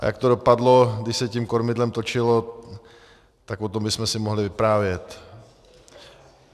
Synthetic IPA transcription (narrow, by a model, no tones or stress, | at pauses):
ʔa̰ja̰kt̪oɾo̞padlo̞ɡdɪʃsɛcimkoɾmɪdlɛmt̪o̞t͡ʃɪlo̞ | t̪akpot̪o̞mbɪsmɛsɪmoɦlɪvɪpɾaːvjɛt̪